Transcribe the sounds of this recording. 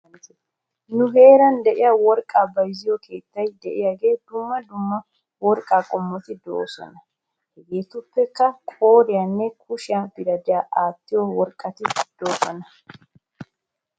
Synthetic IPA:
nʊhe̞ːɾɐnd̪ɛʔɪjɐwɔɾkʼaːbɐjzɪjɔkʰe̞ːt̪ːɐjd̪ɛʔɪjɐɡeːd̪ʊmːɐd̪ʊmːɐ | wɔɾkʼaːkʼɔmːɔt̪ɪd̪o̰ːsɔ̰nɐ | ɡeːt̪ʊpːɛkːɐkʼo̞ːɾɪjɐnːɛkʰʊʃɪabɪɾɐd̪ɪjaːʔaːt̪ːɪjowɔɾkʼːɐt̪ɪd̪̥oːsɐnɐ

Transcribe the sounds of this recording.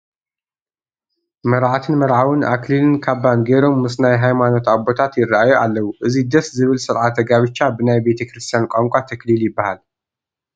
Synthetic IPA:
mɐɾʕat̪ʰɨnmɐɾʕawɨnʔa̰klilɨnkʰaβːanɡeɾo̞mːɨsnajɦajmano̞t̪abo̞t̪ʰat̪jɪrːaʔajuʔalːɐwuʔɨzid̪ɐszɨβɨlsɨɾʕat̪ʰɐɡaβɨt͡ʃːabɨnajbe̞t̪ʰɐkɾɨst̪ʰijankʷʼaŋkʷʼat̪ʰɐkliljɪbːahal

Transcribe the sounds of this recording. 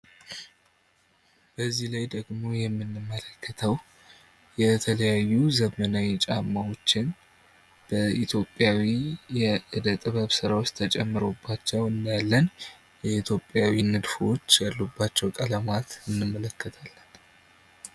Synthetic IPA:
b̥əzːihlajd̪əɡmo̞jɛmːɨnːɨmːələkʰːət̪ʰəw | jɛt̪ʰələjajːuzəmənawt͡ʃʼamːawo̞t͡ʃːɪn | b̥əʔit̪ʰjo̞pʼːjawijɛʔɨd̪ət̪ʼɨβəβsɨɾawot͡ʃːt̪ʰət͡ʃʼɛmːɨɾobːat͡ʃːɛwɨnd̪jalːən | jɛit̪ʰjo̞pʼːjawinɨd̪fo̞t͡ʃːjalːubːat͡ʃːɛwkʼələmat̪ɨnːɨmːələkːət̪ʰalː

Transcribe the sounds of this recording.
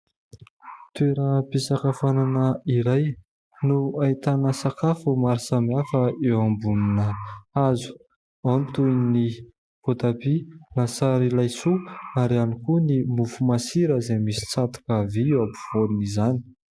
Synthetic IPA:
t̪ueɾəpisakafananəiɾaj | nuait̪anəsakafumaɾisamiafəewambuninəazu̥ | ant̪uni | pot̪apilasaɾilajsuaɾianikunimufumasiɾəzemisi̥t͡sat̪u̥kəviwabu̥v̥olunizani̥

